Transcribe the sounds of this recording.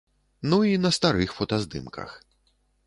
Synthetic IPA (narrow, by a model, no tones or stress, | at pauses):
nuinɐst̪aɾɨxfɔt̪ɐzd̪ɨ̰mkɐ̰x